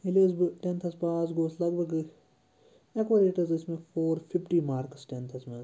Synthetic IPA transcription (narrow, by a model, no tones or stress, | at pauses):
ɪlezbʈɛ̃nt̪ʰɐspaːzɡoːslɐɡʋɐɡ | ɛkʋɐɾeːʈəɾzɪsmẽpʰoːɾpʰɪpʈiːmaːɾksʈɛnt̪ʰɐsmẽ